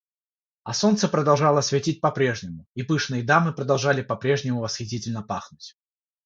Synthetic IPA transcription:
ɐso̞nt̪səpɾəd̪ɐlˠʐalˠəsvʲɪtʲit̚ʲpɐpɾʲe̞ʐnʲɪmʊipɨʂnɨjəd̪amɨpɾəd̪ɐlˠʐalʲɪpɐpɾʲeʐnʲɪmʊvəsxʲɪtʲitʲɪlʲnəpaxnʊtʲ

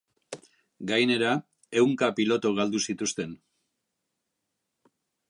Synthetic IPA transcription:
ɡajne̞ɾa | e̞wŋkapilo̞t̪uɣald̪usit̪ust̪e̞n

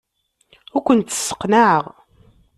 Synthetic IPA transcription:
ʊɾkʷənt̪ːə̥sːə̥qːnaʕəʁ

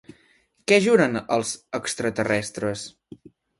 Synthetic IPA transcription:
kɛʒuɾənəlˠzəkst̪ɾət̪ərɛst̪ɾəs

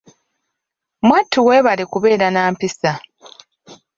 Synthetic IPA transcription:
mwatʰːuwe̞ːβalekuβe̞ːɾanaːmpisa

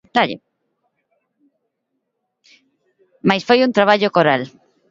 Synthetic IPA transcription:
d̪aʎḛ | majsfojunt̪ɾaβ̞aʎokoɾal

